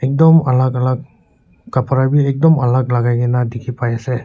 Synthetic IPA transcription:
ɛk̚dɔmalakalakː | apʰaɾabiɛk̚dɔmalak̚laɡajɡenadikʰipajase

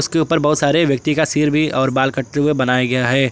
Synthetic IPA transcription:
ʊskeuːpəɾbɐɦʊt̪saːɾeʋjɐk̚t̪ikasiːɾbʱiɔːɾbaːlkəʈʈeɦuebɐnaːjaɡɐjaɦɛː

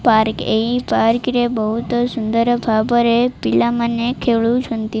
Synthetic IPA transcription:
paɾkeipaɾkɾebəɦut̪osʊnd̪əɾbʰʱabəɾepilamənekʰeɭũt͡ʃʰunt̪i

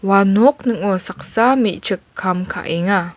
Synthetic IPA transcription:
wanɔk̚nəŋɔsaq̚samiʔt͡ʃəkʰːamkʰa̰ʔiŋa

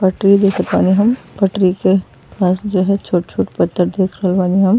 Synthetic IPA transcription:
pɐʈɾid̪eːkʰət̪ʋaːniɦɐmpɐʈɾike | paːsd͡ʒoːɦɛt͡ʃʰoːʈt͡ʃʰoːʈpɐt̪ːəɾd̪eːkʰɾɦəlʋaːniɦɐm

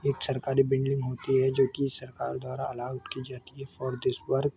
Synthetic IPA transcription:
eːksɐɾkaːɾibɪ̃ɳɖɖɪ̃ŋɡɦoːt̪iɦɛd͡ʒoːkisɐɾka̰ːɾd̪waːɾaɐlaːwət̪kid͡ʒaːt̪iɦɛfɔːɾd̪ɪswɐɾk̚

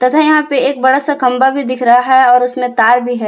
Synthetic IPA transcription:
t̪ɐt̪ʰɛjɐɦãpeeːk̚bɐɽasakɐ̃mbabʱid̪ɪkʰɾɐɦaɦɛɔːɾʊsmẽt̪aːɾbʱiɦɛː

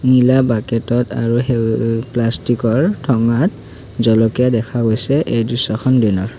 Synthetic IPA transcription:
nilabakɛtɔta̰ɹuɦeplastikɔɹtʰɔŋat | zɔlɔkijadɛkʰaɡojsɛʔejdɹisːɔxʰɔndinɔɹ

